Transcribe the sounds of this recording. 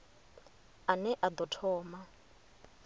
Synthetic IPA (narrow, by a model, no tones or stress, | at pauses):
anɛʔad̪ɔtʰɔːma